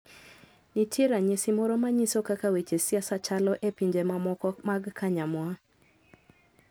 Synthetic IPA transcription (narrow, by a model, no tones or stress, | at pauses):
nitʰeɾaɲesimɔɾɔmaɲisokakawet͡ʃesjasat͡ʃalɔʔepiɲd͡ʒemamɔkɔmaɡkʰaɲamwa